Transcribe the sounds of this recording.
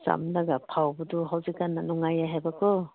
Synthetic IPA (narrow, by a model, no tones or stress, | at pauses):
sa̰mlaɡapʰawbɔduɦawzikanːanɔŋajaɦajbakʰɔ